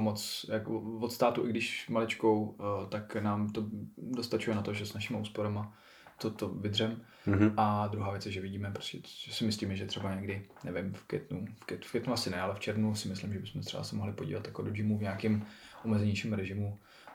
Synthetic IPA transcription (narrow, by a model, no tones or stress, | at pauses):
mot͡sjakovot̪st̪aːt̪uʔɪɡdɪʃmalɪt͡ʃko̞wt̪aknaːmt̪o̞dost̪at͡ʃujɛnat̪oʒɛsnaʃɪmauːspoɾama | t̪ot̪ovɪdr̝ɛm | ʔad̪ɾuɦaːvjɛt͡sjɛʒɛvɪɟiːmɛpɾo̥scʲɛʒɛsɪmɪsliːmɛʒɛt̪r̥ɛbaɲɛɡdɪnɛvɪmfkɛ̰t̪nufkɛt̪fkɛt̪nuasɪnɛalɛft͡ʃɛɾvnusɪmɪslɪmʒɛbɪsmɛt̪r̥ɛ̰ba̰sɛmo̞ɦlɪpoɟḭːlat̪jakodod͡ʒɪmuvɲaːkɪmʔomɛzɛɲiʃimɾɛʒɪmu